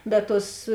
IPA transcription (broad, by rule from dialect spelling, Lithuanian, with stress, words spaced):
bʲɛt ˈtuɔs